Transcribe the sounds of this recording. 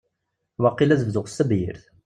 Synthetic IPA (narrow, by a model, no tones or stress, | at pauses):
wɑqːilæzəvðʊʁsːəbjḭɾθ